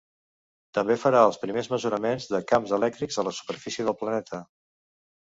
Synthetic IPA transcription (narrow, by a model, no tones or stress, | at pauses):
t̪əmbefəɾaəlˠspɾimezməzuɾəmenzðəkamzəlɛk̚t̪ɾiɡzələsu̥pəɾfisiəðəlˠplənɛt̪ʰə